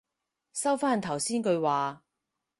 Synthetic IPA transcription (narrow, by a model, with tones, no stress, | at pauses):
sɐ˥wfaː˥nt̪ʰɐ˨˩wsiː˥nkɵ˧ɥwaː˨